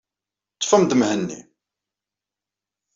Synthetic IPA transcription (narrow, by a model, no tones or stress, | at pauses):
t͡sːə̥fəmd̪əmhənːḭ